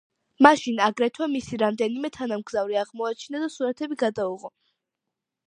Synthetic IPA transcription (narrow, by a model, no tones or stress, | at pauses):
maʃinaɡɾɛt̪ʰwɛmisiɾamd̪ɛnimɛt̪ʰanamɡzavɾiaʁmɔat͡ʃʰinad̪asuɾat̪ʰɛbiɡad̪auʁɔ